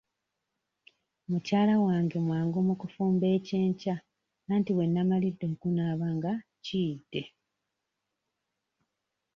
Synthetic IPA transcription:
mucaːlawaːŋɡemwaːŋɡo̞ːmukufuːmbe̞ːceːɲca | naːntiwe̞nːamalidːe̞ŋkunaːβaŋɡacidːe̞

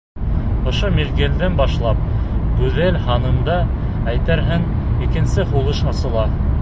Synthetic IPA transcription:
ŏʃomiɾɡeld̪ænbɑʃlˠɑp̚ | ɡʉðælhɑnɤ̆md̪ɑ | æjt̪æɾɦɘŋ | ikɘ̆nsɘχulˠɤʃɑsɤ̆lˠɑ

